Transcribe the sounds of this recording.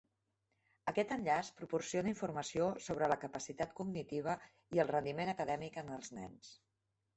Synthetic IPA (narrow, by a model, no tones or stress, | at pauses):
əkɛt̪ənʎaspɾupuɾsionəiɱfuɾməsiosoβɾələkəpəsit̪at̪kuɡnit̪iβ̞ə | iəlˠrənd̪imenəkəðɛmikənəlˠznɛ̰ns